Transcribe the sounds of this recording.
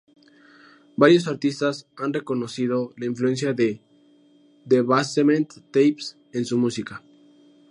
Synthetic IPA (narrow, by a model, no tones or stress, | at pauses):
baɾjo̞s̬aɾt̪ist̪asanre̞ko̞no̞siðo̞laiɱflue̞ns̬jaðe | d̪eβasemẽnt̪ːejps | e̞nsumusika